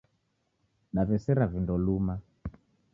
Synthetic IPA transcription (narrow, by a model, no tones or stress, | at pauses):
ɗavɛsɛɾavindɔluma